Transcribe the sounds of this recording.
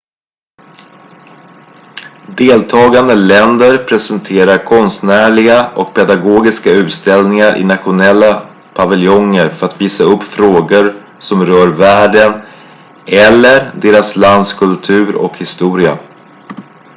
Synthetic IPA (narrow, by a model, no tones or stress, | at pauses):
d̪eːlt̪ʰɑːɡand̪əlɛnd̪əɾpʰɾɛsɛnt̪ʰeːɾaɾkʰɔnst̪næːɭɪɡaʔɔk̚pʰɛd̪aɡoːɡɪskaʉ̟ːt̪st̪ɛlnɪŋaɾʔɪ̰nat̪ɧʊnɛlːa | pʰavɪljɔŋːəɾfœɾat̪viːsaɵpːfɾoːɡʊɾ | sɔmɾœːɾvæːɖən | ɛlːəɾd̪eːɾasland̪skʰɵlt̪ʰʉ̟ːɾɔ̰khɪst̪uːɾɪa